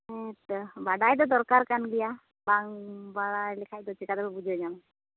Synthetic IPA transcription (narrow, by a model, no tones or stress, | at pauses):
ɛt̪baɖajd̪ɔd̪ɔɾkaɾkanɡɛja | baŋbaɽajlɛkʰac̚d̪ɔt͡ʃikad̪ɛbɛbud͡ʒəd͡ʒam